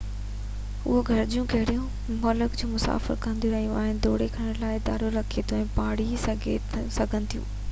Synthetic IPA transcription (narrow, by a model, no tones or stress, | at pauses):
ʊɦoɡʱɐɾd͡ʑijũkɐɦɪɽijũ | mɔːləkd͡ʑuːmʊsa̰ːfɪ̰ɾkɐ̃nd̪ʱjuɾɐɦijũa̰ːɦɪnɪ̆d̪oːɽ̤ekʰɐɽ̃əɽlaːɪɪd̪aːɾoɾɐkʰet̪ʰoɛ̃ːpaːɽ̤isɡʱesɐɡʱə̃nɪ̆t̪ʰijṵ̃ː